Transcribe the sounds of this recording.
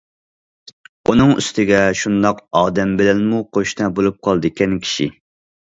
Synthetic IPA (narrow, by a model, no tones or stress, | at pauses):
unɨŋy̰st̪ʰɪɡʲɛʃund̪ɑqɑːd̪ɛmbɪlɛnmuqʰoʃnɛbolˠup̚qʰɑlˠd̪ɨkʲʰɛnkʲʰi̥ʃi